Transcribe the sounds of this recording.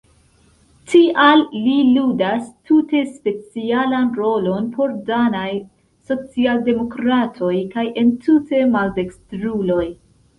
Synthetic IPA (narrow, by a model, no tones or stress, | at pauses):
tʰiʔalːiludastʰute̞spe̞t͡sialanɾo̞lo̞npʰo̞ɾdanaj | so̞t͡sialde̞mo̞kɾatʰo̞jkajʔe̞ntʰute̞malde̞kstɾulo̞j